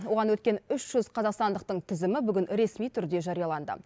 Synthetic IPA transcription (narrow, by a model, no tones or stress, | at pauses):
wo̞ʁɑnwɵt̪̚kʲe̞nʏʃʒ̥ʏzqʰɑzɑqst̪ɑnd̪əq̚t̪əɴt̪ʰɪzɪmɪbʏɡʲɪnɾe̞smijt̪ʰʏɾd̪e̞ʒɑɾijɑlˠɑnd̪ə̰